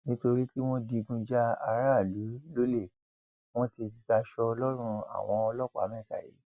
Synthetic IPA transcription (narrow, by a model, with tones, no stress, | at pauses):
nĩ˦to˧ɾi˦ti˦w̃ɔ̃˦di˧ɡũ˧d͡ʒa˦a˧ɾa˦˨lu˨˦lo˦le˦˨ | w̃ɔ̃˦ti˧ɡ͡ba˧ʃɔ˧ɔ˧lɔ˦ɾ̃ũ˧a̰˨w̃ɔ̃˧ɔ˧lɔ˦k͡pa̰˨˦mɛ̃˦˨ta̰˨jḭ˨˦